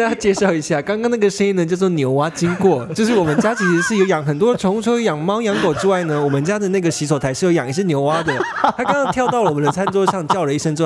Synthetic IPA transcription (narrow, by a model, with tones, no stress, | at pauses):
t͡ɕjɛ˥˧ʂɑ˥˩ʊi˧˥ɕja˥˩kɑ˥ŋkɑ˥ŋna˥˩ɡə˩ʂə˥i˥nd̪ə˨˩t͡ɕjɑ˥˧ʊt͡s̬wɔ˥˧njo˧˥ʊwa˥t͡ɕi˥ŋkwɔ˥˩jo˥˧ʊʂ̬ɻ̩˥˩wɔ˨˩mə˦nt͡ɕja˥t͡ɕʰi˧˥ʂɻ̩˧˥ʂɻ̩˥˩jo˧ʊjɑ˨˩˦ŋxə˨˩nt̪wɔ˥ʈ͡ʂʰʊ˧˥ŋu˥˧ʈ͡ʂʰu˥˧jɑ˨˩ŋmɑ˥ʊjɑ˧˥ŋko˨˩ʊʈ͡ʂɻ̩˥wa˥˩ɪnə˩wɔ˨˩mə˦nt͡ɕja˥d̪ə˨na˥˩ɡə˩ɕi˧˥s̬wɔ˨˥˩t̪ʰa˧˥ɪʂɻjo˧˥jɑ̰˨˩ŋi˧˥ɕɻ̩˥˩njo˧˥ʊwa˥d̪ə˨t̪ʰkɑ˥ŋkɑ˥ŋtʰjɑ˥˧ʊt̪ɑ˥˩ʊlwmə˦nd̪ə˧t͡sʰa˥nt͡swɔ˥ɕjɑ˥˧ŋt͡ɕjɑ˥˩ʊlə˩˦i˥˩ʂə˥nʈ͡ʂɻ̩˥˧˥